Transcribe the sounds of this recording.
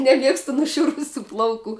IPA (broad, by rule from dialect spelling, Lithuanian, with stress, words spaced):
nʲɛˈmʲiɛkstʊ nʊˈʃʲʊrʊsʲuː ˈplˠɐʊˌkuː